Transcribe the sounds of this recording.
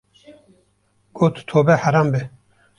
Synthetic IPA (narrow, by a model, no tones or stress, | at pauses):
ɡ̥oːt̪ʰt̪ʰoːbɛħaɾaːmbɛ